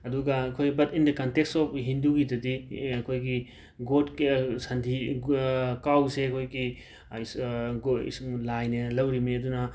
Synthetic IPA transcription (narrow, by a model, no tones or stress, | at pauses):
ɐduɡɐɐkʰojɡbɐtindɐkɐnteksɔpɦinduɡidɐdiɐkʰojɡi | ɡotsɐndʰʱi | kawseɐkʰojɡi | sɡḭsuŋlajnɐlɐwɾimeɐdunɐ